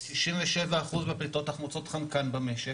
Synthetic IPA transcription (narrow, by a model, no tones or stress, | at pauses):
ʃiʃinveʃevaːχuzbeplito̞taχmut͡so̞t̪χamkanbameʃe